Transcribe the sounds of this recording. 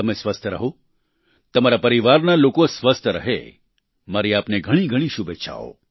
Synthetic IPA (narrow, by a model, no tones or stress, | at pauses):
əmesʋəst̪ʰəɾə̰ɦo | t̪əmaɾapəɾiʋaɾnalokosʋəst̪ʰəɾəɦḛ | maɾiapneɡʱəɽ̃iɡʱəɽ̃iʃubet͡ʃʰa̰o̰